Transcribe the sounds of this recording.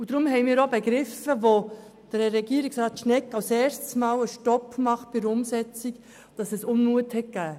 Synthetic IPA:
ud̥ɾʊmhɛɪmiːɾobɛɡɾɪfəvo | d̥əɾɾɛɡiːɾiksɾɑːt̪ʃnɛkːɑwsɛːɾssmɑːwəʃtɔpmɑχt̚b̥ɪɾʊmsɛt͡sik | d̥ɑsɛsʊnmuəthɛt̚ɡ̥æː

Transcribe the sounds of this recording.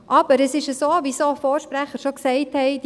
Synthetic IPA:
ʔɑb̥əɾɛsɪʃəsoːvisoːfoːɾʃpræχəɾʃoksɛɪthɛɪd

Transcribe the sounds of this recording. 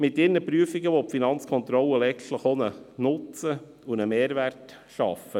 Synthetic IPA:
mɪtɪɾnəpɾyəfɪɡəʋopfinɑnt͡skʰɔnt̪ɾɔlːəlɛɡtləχonənʊt͡sə | unəmeːɾʋært | ʃɑ̰fə

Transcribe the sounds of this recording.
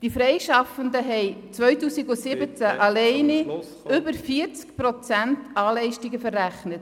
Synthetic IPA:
d̥ifɾɛɪʃɑfəndəɦɛɪt͡svœʏtuːsiɡʊsɪbət͡sæʔɑlɛɪni | ʏbəɾfiəɾt͡skpɾɔt͡sæntɑːlɛɪʃtiɡəfərːæχnət

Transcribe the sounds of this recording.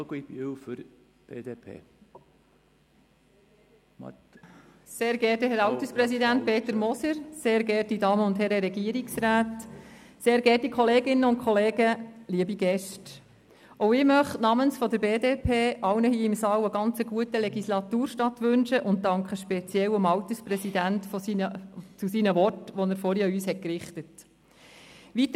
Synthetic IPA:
ɡbwfʏɾ | b̥ḛːdepʰḛː | seːɾɡɛːt̚əhɛɾɑwt̪əspɾɛsidænt̚pʰeːt̪əɾmɔsəɾseːɾɡɛːt̚didɑːməʊnthɛɾəɾɛɡiəɾiksɾaːt | seːɾɡɛːt̚dikʰɔleːɡɪnːəʊn̚kʰɔleːɡəliəbiɡ̥ɛʃt | ʔɔʊɪmœχtnɑmənsfɔd̪əɾbeːdeːpʰeːʔɑwnəhiːɪmsɑːwəɡɑnt͡səɡuətəlɛɡislɑt̪uːɾʃtɑtʋʏnʃəʔʊnt̚dɑŋkχəʃpɛt͡sjɛwʊmɑwtəsprɛsidæntfɔsinət͡susinəʋɔtʋɔnəɾfɔɾjɑyːshɛt̚kɾɪχtət | ʋit̪

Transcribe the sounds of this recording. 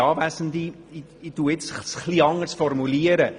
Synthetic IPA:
ɑːʋæsənd̪i | i | it̪uːɪt͡ssχliɑŋəsfɔrmuliəɾə

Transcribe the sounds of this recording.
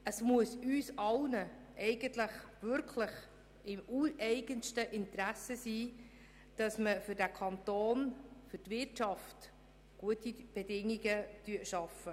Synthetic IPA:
əsmuəsyːsɑlnə | ʔɛɪɡəntləχvʏɾkʰləχ | ɪmuɛɪɡənʃtəʔɪntɾæsəsiː | d̥ɑsməfʏɾdækʰɑnt̪oːnfʏɾtvɪrtʃɑft | ɡ̥uətib̥ɛdɪŋiɡətyətʃɑfə

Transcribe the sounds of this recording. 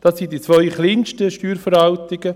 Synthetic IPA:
d̥ɑsːindit͡sʋœʏχliːnʃtəʃtyːɾfəɾɑltɪɡ̥ə

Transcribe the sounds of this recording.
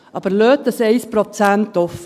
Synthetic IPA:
ʔɑb̥əɾløːt̪̚ːəsɛɪspɾɔt͡sænt̪ɔf

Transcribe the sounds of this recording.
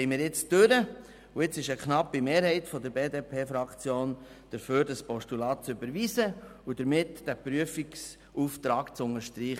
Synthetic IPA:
hɛɪmɪːɾjɪt͡sd̥øɾə | uɪt͡sɪʃəkχnɑpːimeːɾhɛɪtfɔd̪əɾbeːdeːpʰeːfɾɑkt͡sjoːn | d̥əɾføːɾd̥əspɔʃtulɑːt̚t͡sʏbəɾʋiːsəud̥əɾmɪtd̥æpɾyəfiks | uft̪ɾɑːɡ̥t͡sʊnəɾʃtɾiːχ

